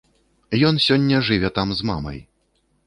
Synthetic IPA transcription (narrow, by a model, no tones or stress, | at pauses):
jɔn̪sʲɔnʲːɐʐɨvʲɛt̪amzma̰mɐ̰j